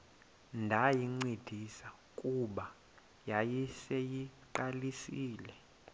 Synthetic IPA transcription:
ndʱajiŋ͡ǀed̥ʱisa | kʼuɓa | jajisejiǃalisiːlɛ

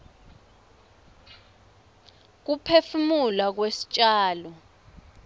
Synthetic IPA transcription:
k̬upʰefumulak̬wesi̥t͡ʃʼaːlɔ

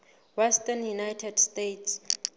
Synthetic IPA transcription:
wɛstanjunajtʰɛdstetʰs

